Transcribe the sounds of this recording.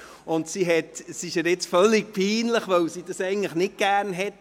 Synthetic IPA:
ʊntsiɦɛtsiɪʃæɾɪt͡sfœlːik̚pʰiːnləχʋœwsid̥ɑsɛɪɡəŋ̩tləχnɪt̚ɡ̥æːɾnɦɛt

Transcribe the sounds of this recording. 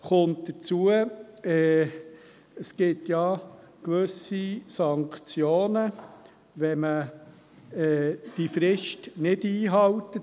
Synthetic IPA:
χʊnt̚d̥ət͡suəɛː | əskɪtjɑ | kʋɵsisɑŋkt͡sjoːnə | ʋɛmə | ɛd̥ifɾɪʃtnɪdiːɦɑltə

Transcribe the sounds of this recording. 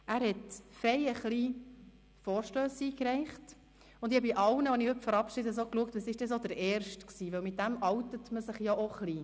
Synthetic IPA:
æːɾhɛtfɾɛɪəχliː | fɔːɾʃtøːsiːkɾɛɪχt | ʊnd̥̪iɑbiʔɑwnəɑnihɵpfəɾɑpʃɪdəs̬okluək̚t̪ʋəsɪʃd̥ɛsod̪əɾɛːɾʃtksiːʋœwmɪt̚dæmɑwtətməsɪχjaʔoχliː

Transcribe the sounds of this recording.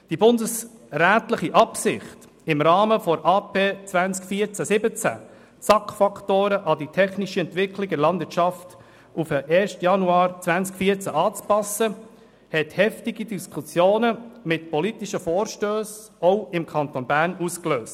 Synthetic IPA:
d̥ibʊndəsɾæːtləχiʔɑpsɪχt | ɪmɾɑːməfɔɾʔɑːpʰeːt͡svænt͡skfiəɾt͡sæsɪbət͡sæ̰ | t͡sɑkfɑktoːɾəʔɑditʰɛχniʃəɛntʋɪkʰlɪɡdɛɾlɑndvɪːət͡ʃʃɑft | ufəʔɛːɾʃtjɑnuɑːɾt͡sʋænt͡skfiːɾt͡sæʔɑːt͡spɑsə | hɛthɛftiɡid̥iskʰusjoːnəmɪtpɔlitiʃəfoːɾʃtøːs | ɔʊɪmkʰɑnt̪onbæːɾnuskløːst

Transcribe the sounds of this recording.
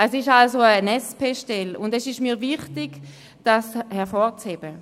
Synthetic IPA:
ɛsɪʃalsoənɛspeʃtɛlʊndɛsɪʃmiːɐvɪχtɪɡ | d̥ashɛʁfɔːʁt͡sheb̥ə

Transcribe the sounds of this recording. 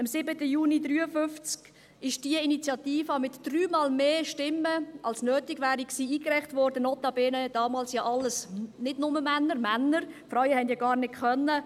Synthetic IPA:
ɑmsɪbətəjuːnidryːəfʏft͡sk | ɪʃd̥iəinit͡sjɑtiːfɑmɪtd̥ryːmɑːlmeːʃtɪmːəʔɑlsnøːtɪɡʋæːɾiksiːiːkrɛɪχtvɔɾdənɔt̪ɑbeːnəd̥ɑːmɑːlsjɑːʔɑlːəsnɪdnʊməmænːəɾmænəɾfɾœɥəhɛndjiɡɑːɾnɪtkʰœnːə

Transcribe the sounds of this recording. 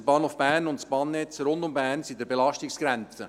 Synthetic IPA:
b̥ɑːnhoːfb̥æːɾnʊnt̪sb̥ɑːnːɛt͡sɾʊnd̪ʊmbæːɾnsid̪ɛɾbelɑʃtɪksɡ̥ɾɛnt͡sə

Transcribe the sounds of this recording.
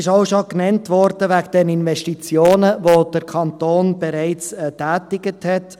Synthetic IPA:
ɪʃaʊʃoknɛntʋɔɾd̥əʋæɡd̥ɛnɪnvɛʃtit͡sjoːnəʋod̥əɾkʰɑntoːnb̥ɛɾɛɪt͡sːtæːtɪɡəthɛt

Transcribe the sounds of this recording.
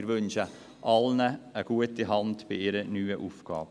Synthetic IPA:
ɾʋɵnʃə | ʔɑlnəːɡ̥uətiɦɑndb̥ɪɪɾənyːəʔufɡ̥ɑ̰ːb

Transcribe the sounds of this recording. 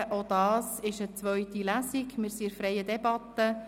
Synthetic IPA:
ʔod̪ɑːsɪʃət͡sʋœʏt̪ilæsiɡmɪɾsiɪɾfɾɛjəd̪ɛbɑt̪ːə

